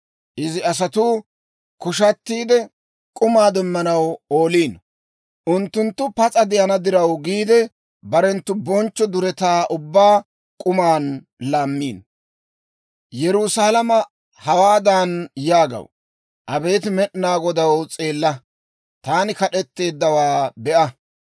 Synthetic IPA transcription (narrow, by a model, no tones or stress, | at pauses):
ʔɪzɪɐs̬ɐt̪uː | kʊʃɐt̪ːiːd̪ɛ | kʼʊmaːd̪ɛmːɐnɐwoːliːn | ʔʊnt̪ːʊnt̪ːʊpɐt͡sʼɐd̪ɪjɐnɐd̪ɪɾɐwɡiːd̪ɛ | bɐɾɛnt̪ːʊbɔnt͡ʃːɔd̪ʊɾɛt̪aːʔʊbːaː | kʼʊmaːn | laːmːiːn | jɛɾʊsaːlɐmɐ | hɐwaːd̪aːnjaːɡɐ̰w | ʔɐbe̞ːt̪mɛɗnaːɡɔd̪ɐwt͡sʼeːlːɐ | t̪aːnɪkɐɗɛt̪ːe̞ːd̪ːɐwaːbɛʔɐ